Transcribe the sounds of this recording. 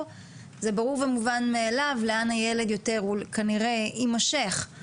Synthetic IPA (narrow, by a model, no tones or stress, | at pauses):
ze̞baʁuʁvemuvanmeːlavleanhajele̞d̪jo̞te̞ʁulkaniʁe̞imaʃeχ